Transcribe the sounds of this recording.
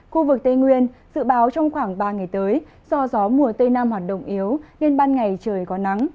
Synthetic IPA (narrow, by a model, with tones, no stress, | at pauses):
xu˧vɨ˨˩k̚t̪e˧ŋwi˧ənz̥ɨ̰˧˨ɓaː˨˦wt͡ɕɔ˧wŋ͡mxwaː˧˩ŋɓaː˧˩ŋa˨˩jt̪əː˨˦j | z̥ɔ˧zɔ˨˦mu˨˩ət̪e˧naː˧mhwaː˨˩t̚ɗə̰˧˨wŋ͡mʔi˨˦əwne˧nɓaː˧nŋa˨˩jt͡ɕəː˨˩jkɔ˨˦na˨˦ŋ